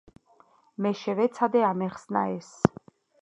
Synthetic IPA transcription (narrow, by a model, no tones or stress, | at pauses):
mɛʃɛvɛt̪sʰad̪ɛamɛχsna̰ɛs